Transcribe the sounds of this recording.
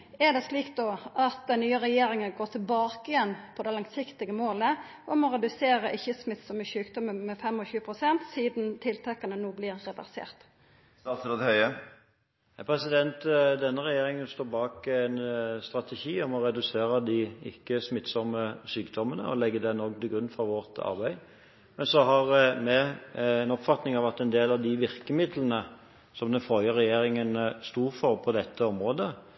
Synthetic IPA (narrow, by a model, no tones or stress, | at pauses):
ɛɖ̪ɛsliːkt̪̚d̪ɔʔɑt̪̚d̪ɛnnyːəɾɛjeːɾɪŋənɡoːt̪ʰɪlbɑːkəjɛnːpʰɔd̪ɛlɑŋsɪkt̪ɪɡəmoːlə | ʔɔmɔɾɛd̪ʉseːɾəʔɪçːəsmɪt̪sɔməsʉːkd̪ɔməmɛfɛmɔçʉːəpʰɾʊsɛnt̪siːd̪nt̪ʰɪlt̪ʰɛkːɑnənoːblɪɾːɛʋæ̰ʁsḛːʁt̪ | st̪sot̪hœʏə | pʰɾɛsɪd̪ɛnt̪d̪ɛnːəʁɛjeːɾɪŋənst̪oːbɑːkæɪnst̪ʁɑt̪ɛʃiːɔmɔɾɛd̪ʉseːʁəd̪ɪɪ̰kːəsmɪt̪sɔmːəsyːkd̪ɔmənə̰ɔ̰lɛɡːəd̪ɛnoːɡt̪ɪɡɾʉnːfʁɔʋɔʁt̪ɑ̰ʁbæɪ | mɛnsɔɦɑʁmɛɛnɔpfɑt̪nɪŋɑʋɑt̪ɛnd̪eːlɑʋd̪ɪʋɪʁkəmɪd̪lənə | sɔmd̪ɛnfœljəʁɛjeːɾɪŋənst̪uːʁfɔʁpʰɔd̪ɛt̪ʰːəɔmʁoːd̪ə